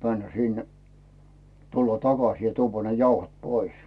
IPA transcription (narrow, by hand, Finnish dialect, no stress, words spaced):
mænːæ sinːæ̥ tulːɑ tɑkɑs jɑ tuːʋːɑ ne jɑuhot pois